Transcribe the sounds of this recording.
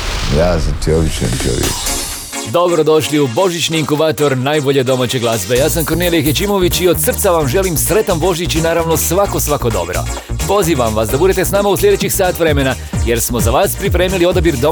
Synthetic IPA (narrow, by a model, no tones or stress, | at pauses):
jaːzat̪ʰioʋit͡ʃḛnt̪o̰ʋjḭ | d̪o̞bɾo̞d̪o̞ʃliubo̞ʒit͡ɕniːŋkubaːt̪o̞ɾnaːjbo̞ʎe̞d̪o̞maːt͡ɕe̞ɡlˠazbe̞jaːsamko̞ɾnelijexjet͡ɕiːmo̞ʋit͡ɕio̞d̪sr̩t̪saʋamʒe̞limsɾe̞t̪ambo̞ʒit͡ɕinaːɾaʋno̞sʋako̞sʋako̞d̪o̞̰bɾo̰po̞ziːʋamʋasd̪abud̪e̞t̪e̞snaːmauslʎʲe̞d̪e̞t͡ɕixsaːt̪ʋɾe̞mena | je̞ɾsmo̞zaʋaːspɾipɾe̞ːmilio̞d̪abiɾd̪o̞